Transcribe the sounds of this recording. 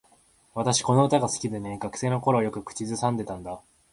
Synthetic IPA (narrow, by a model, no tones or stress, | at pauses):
β̞at̪aɕi̥ko̞no̞ɯ̟t̪aɡasɨ̥kʲid̪e̞ne̞ɡakɯ̟̥se̞ːno̞ko̞ɾo̞jokɯ̟kɯ̟̥t͡ɕizɨsãnd̪e̞t̪ãnd̪a